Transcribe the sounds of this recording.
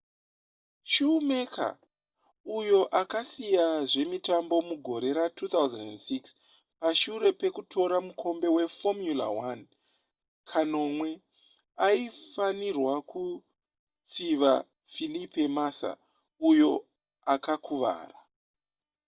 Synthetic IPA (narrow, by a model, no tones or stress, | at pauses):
ʃuume̞kʰa̰ | ujo̞ʔakasijaʐe̞mitambo̞muɡʱo̞ɾe̞ɾatʰut̪auzendensiks | paʃuɾe̞pe̞kutʰo̞ɾamukʰo̞mbe̞we̞fomjula̰wan | kʰano̞mwe̞ | aifanirwaku | t͡siʋa̰ | filipe̞masa̰ | ujo̞ | akakuʋa̰ːra